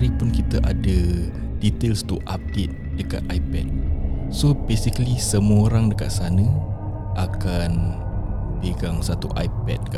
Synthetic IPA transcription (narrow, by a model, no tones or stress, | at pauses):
ɾipʊnkit̪əʔadə | dit̪elst̪uʔap̚det̪̚d̥əka̰t̪̚ajpɛ̰d̪̚sobesikəlisəmuəoɾaŋdəka̰t̪̚sanə | akan | beɡaŋsat̪ṵʔa̰jpɛ̰t̚ka